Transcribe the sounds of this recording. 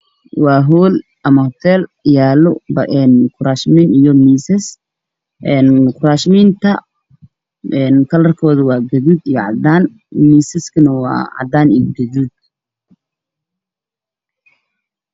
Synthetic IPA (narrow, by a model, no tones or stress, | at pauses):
wɑːɦuːl | ʔɐmɐhɔt̪ʰɛːlɪjaːlʊbɐʔɛnkʰʊɾaːʃmiːnijɔmiːsɛs | ʔɛnkʰʊɾaːʃmint̪ʰɐ | ɛnkʰɐlɐrkʰɔːðʊwɑːɡɐðud̪ijɔʕɑ̰d̪aːn | miːsɪskʰɐnɐwɑ̰ːʕɑ̰d̪aːnijɔɡɐðud̪̚